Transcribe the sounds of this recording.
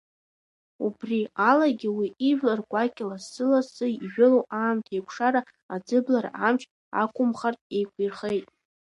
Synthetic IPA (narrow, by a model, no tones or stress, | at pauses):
ubrialaɡʲɪwiiʒᶣlarɡʷʼakʲʼɪlaːɨlasɨʒᶣɪlowʔaːmtʰejkʷʰʂaɾa | ad͡zɨblaɾa̰amt͡ʃʰ | a̰kʷʰʼʊmχartʼe̞jkʷʰirχejtʼ